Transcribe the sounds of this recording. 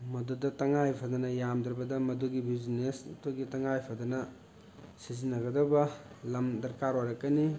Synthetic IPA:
mɐdudɐtɐŋajpʰɐdɐnɐjamdɾɐbɐdɐmɐduɡibiznestuɡitɐŋajpʰɐdɐnɐ | sizinːɐɡɐdɐbɐ | lɐmdɐɾkaɾoɾɐkːɐni

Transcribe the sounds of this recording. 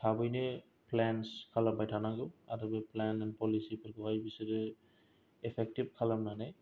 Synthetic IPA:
tʰabɯjnɯ | plɛnskʰalambajtʰanaɡɯa̰tɔbeplɛnɛnpɔlisipʰɯɾkɔɦajbisiɾɯ | ɛpʰɛk̚tib̚kʰalamnana

